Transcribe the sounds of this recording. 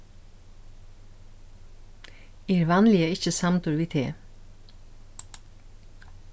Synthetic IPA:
eːɾʋɑnlɪəɪçəsɑmt̪ʊɾʋiːt̪ʰḛː

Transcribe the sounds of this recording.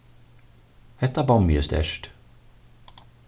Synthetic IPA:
hɛt̪ːabɔmjə̰st̪ɛ̰ʂʈ

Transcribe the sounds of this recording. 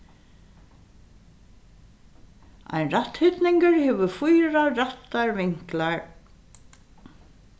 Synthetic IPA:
a̰jnrat̪hʏt̪nɪŋkɪɹhɛʋʏɾfujɾarat̪ːaɹvɪŋ̥klaɹ

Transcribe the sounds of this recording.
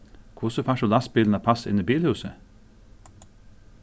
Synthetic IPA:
kʰuːsəfæʃoːlɑsbiːln̩ɑːpʰɑsɪ̰niːbiːlhʉːsə

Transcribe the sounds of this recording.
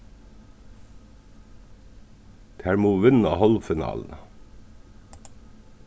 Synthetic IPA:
t̪ʰæɹmuːʋɪnɑhɔlfɪnɑ̰ːln̩

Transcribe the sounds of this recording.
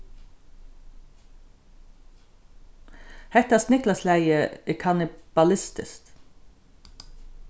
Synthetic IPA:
hɛt̪ɑsnʏklɑslæɪəekʰɑnɪb̥ɑlɪst̪ɪ̰st̪

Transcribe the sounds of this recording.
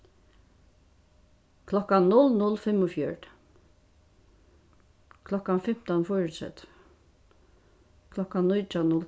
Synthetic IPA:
kʰlɔkannʊlnʊlːfɪmːʊfjœɹ | kʰlɔkːanfɪm̥t̪ɔnfɔɹɪt̪sɛ̰t̪ | kʰlɔkːannːʊjt͡ʃanʊl

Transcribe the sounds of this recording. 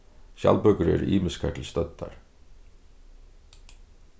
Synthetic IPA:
çɑ̰lbœkəɾḛɾḭːməskʰəʈʰl̩st̪œt̪ɑ̰ɾ

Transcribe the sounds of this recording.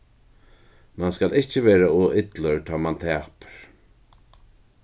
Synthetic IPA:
manskalɪht͡ʃɪveːɾaɔːʔɪt̪lœɹt̪ʰɔːmant̪ʰɛːpɾ̥

